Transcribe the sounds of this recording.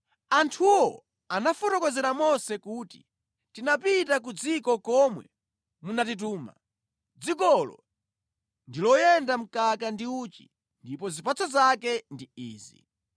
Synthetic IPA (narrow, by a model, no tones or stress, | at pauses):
antʰuwɔ | anafɔtɔkɔzɛɾamɔsɛkuːti̥̰ | tinapitak̬ud͡zikɔkɔmwɛ̰ | munatit̬uːma̰ | d͡zik̬ɔlɔ̰ | ndilɔjɛndam̩kakandiut͡ʃḭ | ndipɔzipat͡sʰɔzakɛndiiːzḭ